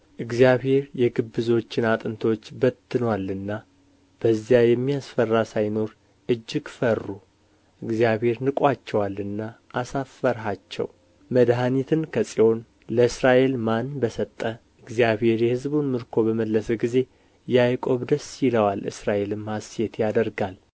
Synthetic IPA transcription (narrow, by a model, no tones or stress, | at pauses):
ʔɨɡzijaβhe̞ɾjɛɡɨbːɨzo̞t͡ʃːɪnat̪ʼɨnt̪ʰwot͡ʃːbət̪ʰːɨnwalɨnːa | b̥əzijajɛmːijasfərːasajno̞ɾ | ʔɨd͡ʒːɪɡfərːu | ʔɨɡzjaβhe̞ɾnɨkʼat͡ʃːɛwalːɨnːaʔːsafːəɾɦat͡ʃːɛ̰w | məd̪ɦanit̪ʰɨnkʰəsʼio̞n | ləɨsɾaʔe̞lmanbəsət̪ʼːə | ʔɨɡzijaβhe̞ɾjɛhɨzbunmɨɾkʰo̞bəməlːəsəɡize̞ | jajkʼo̞βd̪əsjɪləwalɨ̰sɾaʔe̞lɨmhasjet̪ʰjad̪əɾɡal